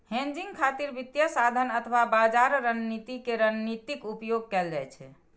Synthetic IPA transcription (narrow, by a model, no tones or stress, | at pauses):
hẽnd͡ʒiŋɡkʰat̪iɾbit̪jəsad̪ʱənət̪ʰəʋabad͡ʒaɾɾənnit̪ikeɾənnit̪ikupjoɡ̚kɛld͡ʒajt͡ʃʰɛ̰